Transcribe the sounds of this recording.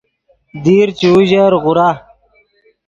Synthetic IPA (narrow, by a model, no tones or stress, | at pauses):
d̪iːɾt͡ɕuːʑɐɾʁuɾa